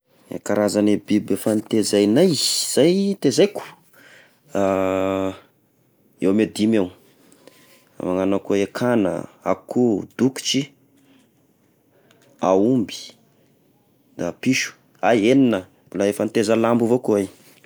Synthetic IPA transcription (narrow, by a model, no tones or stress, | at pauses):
ḛkaɾazanebibefant̪ezajnajzz̥ajt̪ezajku̥ | a | ewmed̪imew | ma̰ŋanakoekʰanə̰a̰kʰud̪uku̥t͡ʃi | aumbi̥ | d̪apiʃu̥ | aeninə | bulaefant̪ezəlambuvokuaj